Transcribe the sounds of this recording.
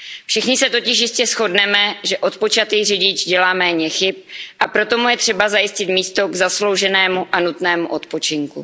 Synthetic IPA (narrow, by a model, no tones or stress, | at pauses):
fʃɪxɲɪsɛt̪o̞cɪʃjɪscɛsxo̞dnɛmɛʒɛʔo̞t̪po̞t͡ʃat̪ijrɪɟɪt͡ʃɟɛlaːmɛːɲɛxɪp̚ʔapɾo̞t̪o̞mujɛt̪r̝̥ɛbazajɪscɪt̪miːst̪o̞ɡzaslo̞wʒɛnɛːmuʔanut̪nɛːmuʔo̞t̪po̞t͡ʃɪŋkṵ